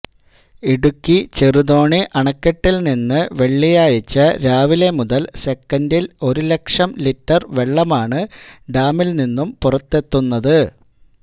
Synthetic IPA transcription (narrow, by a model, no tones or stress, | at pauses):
iɽukːit͡ɕeruðo̞ːɳiʔɐɳɐkːeʈːilninːɨʋe̞ɭːijaːɻit͡ɕːɐɾaːʋile̞muðɐlse̞kːɐndilo̞ɾule̞kʂɐmlitːɐrʋe̞ɭːɐmaːɳɨɖaːmilninːumpurɐt̪ːe̞t̪ːunːɐðɨ